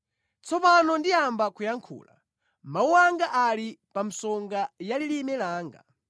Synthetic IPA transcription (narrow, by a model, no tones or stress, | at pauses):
t͡sɔpanɔndiambakujaŋkʰṵːla̰ | mauwaŋɡaʔalipam̩sɔŋɡajalilimɛlaːŋɡa̰